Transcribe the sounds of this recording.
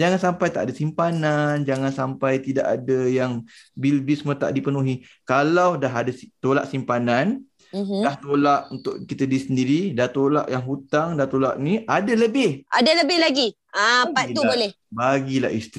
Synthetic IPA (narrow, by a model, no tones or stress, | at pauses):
d͡ʒaŋansampajt̪a̰ʔdasimpanand͡ʒaŋansampajt̪idaʔadəjaŋbilbismət̪a̰ʔdipənuɦi | kalawdaɦadast̪olaʔsimpanan | mdaht̪olaʔunt̪ʊʔkit̪ədisəndiɾidat̪ola̰ʔjaŋɦut̪aŋdat̪olaʔniadaləbɪhadaləbɪhlaɡi | apaiubolɛh | baɡila̰hʔist̪ɾi